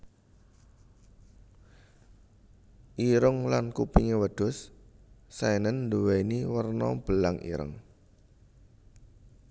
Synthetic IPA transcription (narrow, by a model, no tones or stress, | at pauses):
ʔiɾəŋlankupiŋewəɖ̪̥ʊ̤sː | ajnənːd̪uwejniwərnɔ̰b̥əlaŋʔḭɾə̰ŋ